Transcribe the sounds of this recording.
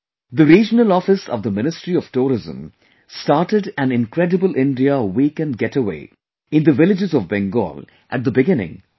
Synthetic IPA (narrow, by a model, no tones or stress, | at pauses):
d̪əɾiːd͡ʒənəlɔfɪsɔ̰vd̪əmɪnɪsʈɾiɔʋ̥ʈuːɾɪzə̰̃m | sʈaːɾʈəɖæ̃nɪ̃nkɾɛɖəbəlʔɪ̃nɖiawikɨ̃nɡɛʈəwḛː | ɪ̃nd̪əʋɪlɪd͡ʒɪzɔvbɛ̃ŋɡɔ̰ːl | ʔæʈ̚d̪əbɪɡɪnɪ̰̃ŋ